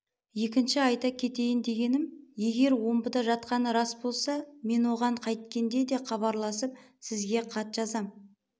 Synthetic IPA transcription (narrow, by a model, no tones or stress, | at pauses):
je̞kʲɪnʃɪɑjt̪ɑkʲʰe̞t̪e̞jɪnd̪e̞ɡʲe̞nɪmje̞ɡʲe̞ɾwo̞mbəd̪ɑʒɑt̪̚qɑnəɾɑsbo̞lˠsɑme̞nwo̞ʁɑɴqʰɑjt̪kʲe̞nd̪e̞d̪e̞χɑβɑɾlˠɑsəp̚ | sɪzɡʲe̞qʰɑt̪ʒ̥ɑzɑm